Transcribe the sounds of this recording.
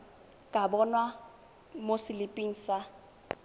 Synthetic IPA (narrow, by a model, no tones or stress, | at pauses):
kʼabɔnwa | mosɪlɪpʼiŋ̩ːsa